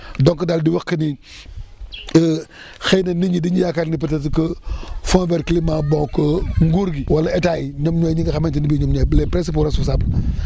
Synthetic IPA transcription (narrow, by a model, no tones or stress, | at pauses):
dɔŋkɐdaldiwɐkkːəni | xejnɐniɲidiɲijakatnipətɐt̬ikəfõnvɛɾkilimabɔŋkəŋɡuɾɡiwalɐetajiɲomɲojɲiɡɐxamentinibiɲomɲoːjbəlepɾes̬ip̬uɾasus̬abl